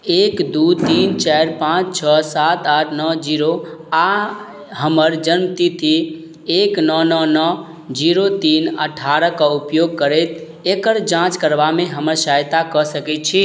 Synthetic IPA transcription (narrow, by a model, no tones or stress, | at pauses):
ekd̪ut̪int͡ʃajɾpãt͡ʃt͡ʃʰəsat̪aʈʰnɔd͡ʒiɾoa | ɦəməɾd͡ʒənmət̪it̪ʰi | eknɔnɔnɔ | d͡ʒiɾot̪inə̰ʈʰaɾəkəupjoɡ̚kəɾɛt̪ | ekəɾd͡ʒãt͡ʃkəɾbameɦəməɾsajt̪akɔsəkɛt̪̚t͡ʃʰi